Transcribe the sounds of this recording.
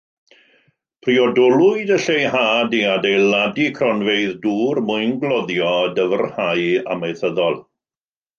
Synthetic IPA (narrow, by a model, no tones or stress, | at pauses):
pʰriɔdɔlˠʊɨdəɬejhaːdiadejlˠadikʰrɔnveɨðduːrmʊɨnɡlˠɔðjɔdəvərhaja̰mejθəðɔlˠ